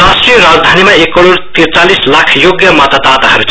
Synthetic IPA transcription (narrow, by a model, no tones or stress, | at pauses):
asʈɾijɾad͡zd̪ʱanimeekəɽoɾt̪iɾt͡salislakʰjoɡjəmat̪ət̪at̪aɦɐɾut͡ʃʰ